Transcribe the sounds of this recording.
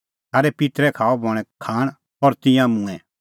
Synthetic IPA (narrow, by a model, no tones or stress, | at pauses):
t̪ʰaːɾɛpɪt̪ɾɛkʰaːɔbʱɔɽ̃ɛ̃kʰaːɽ̃ | ɔɾt̪ɪ̃jãmũɛ̃